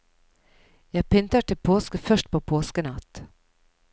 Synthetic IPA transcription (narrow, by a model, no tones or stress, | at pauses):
jɑːɡpɪnt̪aʈɪlpʰoːskəfœʂʈ̚pʰɔpʰoːskənat̪ː